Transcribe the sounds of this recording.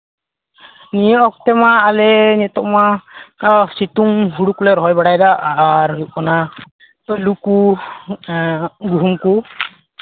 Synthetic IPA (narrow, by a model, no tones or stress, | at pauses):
nijɔʔɔk̚t̪ɛmaːlɛnɛt̪ɔʔma | sit̪uŋɦuɽukulɛɾɔɦɔjbaɽajd̪aːɾɦikɔna | luku | ɡuumku